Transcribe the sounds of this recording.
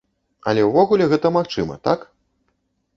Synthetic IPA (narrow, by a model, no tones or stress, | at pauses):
ɐ̰lʲɛwvɔɣulʲɛɣɛt̪ɐmaxt͡ʂɨmɐ̰t̪ak